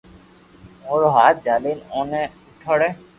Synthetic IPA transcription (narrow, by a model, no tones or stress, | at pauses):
oɾɦat̪̚d͡ʑalinɔneuʈʰɔɽe